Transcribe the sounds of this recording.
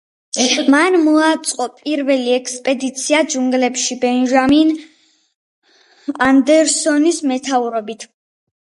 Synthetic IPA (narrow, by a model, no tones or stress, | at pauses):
manmɔat̪sʼqʼɔpʼiɾvɛliɛkʰspʼɛd̪it̪sʰiad͡ʒuŋɡlɛpʃibɛnʒamin | and̪ɛɾsɔnismɛt̪ʰauɾɔbit̪ʰ